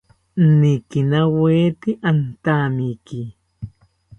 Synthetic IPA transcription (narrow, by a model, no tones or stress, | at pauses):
nikinaweːt̪iʔant̪amiki